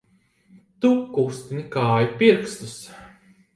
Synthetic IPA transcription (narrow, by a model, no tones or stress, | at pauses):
t̪ukust̪inʲikaːjupiɾkst̪us